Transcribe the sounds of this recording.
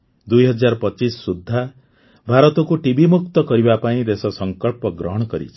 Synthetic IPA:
d̪ujɦɔd͡ʒaɾɔpɔt͡ʃisɔːud̪ʱːa | bʱaɾɔt̪ɔkuʈibʱimuk̚t̪ɔkɔɾibapaĩd̪esɔsɔŋkɔɭpɔɡɾɔɦɔɽ̃ɔkɔɾḭt͡ʃʰi̥

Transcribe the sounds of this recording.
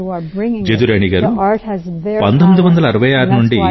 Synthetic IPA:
d͡ʒed̪uɾeːɳiɡaːɾuzpɐnd̪omid̪uʋɐnd̪ɐlɐːɾɐʋɐjaːɾunuɳɖi

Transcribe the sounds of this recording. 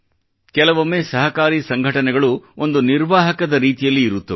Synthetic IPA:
kɛlɐʋomːeːsɐɦɐkaːɾiːsɐŋɡʱɐʈɐnɛɡɐɭuond̪uniɾʋaːɦɐkɐd̪ɐɾiːt̪ijɐlːiːɾut̪ːɐʋ

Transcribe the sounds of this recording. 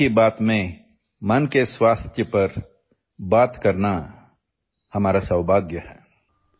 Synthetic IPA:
ibaːt̪mẽ | mɐnkeswaːst̪ʰjəpɐɾ | baːt̪kɐɾna | hɐmaːɾasɐwbʱaːɡjəhɛː

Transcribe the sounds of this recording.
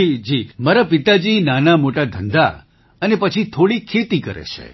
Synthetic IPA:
id͡ʒimaɾapit̪ad͡ʒinanamoʈad̪ʱənd̪a̰ | ənepət͡ʃʰit̪ʰoɽikʰːet̪ikə̰ɾḛt͡ʃʰḛ

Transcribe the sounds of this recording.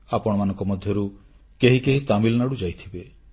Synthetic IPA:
apɔɽ̃ɔmanɔŋkɔmɔd̪ʱjɔɾu | keɦikeɦit̪amilɔnaɽud͡ʒajt̪ʰibe

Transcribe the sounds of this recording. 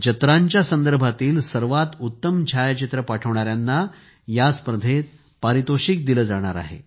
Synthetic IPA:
d͡ʑət̪ɾaɲt͡ɕjasənd̪əɾbʱat̪iːlsəɾʋat̪ut̪ːəmd͡ʑʱajt͡ɕit̪ɾəpaʈʰəʋɳ̃aɾjanːa | jaspɾəd̪ʱet̪ | paɾit̪oɕik̚d̪iləːd͡zaɽ̃a̰ɾa̰ɦḛ

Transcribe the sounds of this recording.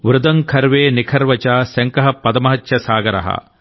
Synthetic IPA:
ʋɾʊd̪ɐŋkʰɐɾʋeːnikʰɐɾʋɐt͡ʃaːsɐŋkɐɦɐpɐd̪ɐmɐɦɐt̪jɐsaːɡɐɾɐ̰ɦɐ̰

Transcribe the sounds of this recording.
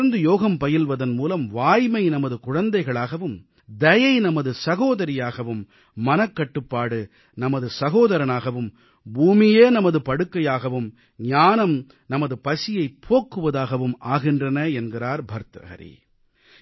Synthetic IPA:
nd̪ɯjoːɣɐmpɐjɪlʋɐðɐnmuːlɐmʋaːjmɐɪnɐmɐðɯkʊɻɐnd̪ɐɪɣɐɭaːɣɐʋɯm | d̪ɐjɐɪnɐmɐðɯsɐɣoːðɐɾɪjaːɣɐʋɯmː | ɐnɐkːɐʈːɯpːaːɽɯ | nɐmɐðɯsɐɣoːðɐɾɐnaːɣɐʋɯm | buːmɪjeːnɐmɐðɯpɐɽɯkːɐjaːɣɐʋɯm | ɲaːnɐm | nɐmɐðɯpɐsɪjɐɪpʰːoːkːɯʋɐðaːɣɐʋɯmʔaːɣɪndrɐnɐɛnɡɪraːɾbʱɐɾt̪ɾɐ̰ɣɐ̰ɾḭ

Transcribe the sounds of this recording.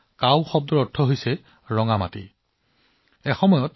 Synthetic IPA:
kawxɔb̚dɔɹɔtʰːɔɦojsɛ | ɹɔŋamatḭ | ɛxɔmɔjɔt

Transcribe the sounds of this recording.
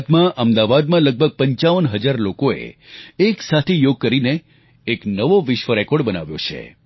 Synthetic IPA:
t̪mãʔəmd̪aʋad̪mãləɡ̚bʱəɡ̚pəɲt͡ʃaʋənɦəd͡ʒaɾlokoḛeksat̪ʰejoɡ̚kəɾineː | knəʋoʋɪʃʋəɾɛkoɽbəna̰ʋjo̰t͡ʃʰḛ

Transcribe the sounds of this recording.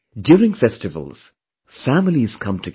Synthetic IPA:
djuːɾɪ̃ŋfɛstɨvə̰lˠz̥ | fæmɪliz̥kʰʌ̃mtʰɨ

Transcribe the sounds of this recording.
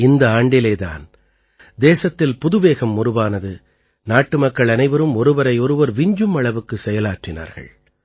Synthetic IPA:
ɪnd̪ɐaːɳɖɪleːða̰ːn | d̪eːsɐt̪ːɪlpʊðɯʋeːɣɐmːʊɾɯʋaːnɐðɯ | naːʈːɯmɐkːɐɭɐnɐɪʋɐɾɯmɔɾɯʋɐɾɐɪɔɾɯʋɐɾʋɪɲd͡ʒɯmɐɭɐʋɯkːɯsɛjɐlaːʈrɪna̰ːɾɣɐ̰ɭ

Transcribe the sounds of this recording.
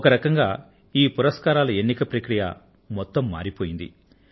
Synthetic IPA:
ɔkɐɾɐkɐŋɡaː | iːpuɾɐskaːɾaːlɐenːikɐpɾɐkɾijɐ̰ | mɔt̪ːɐmːa̰ːɾipo̞ːjind̪ḭ

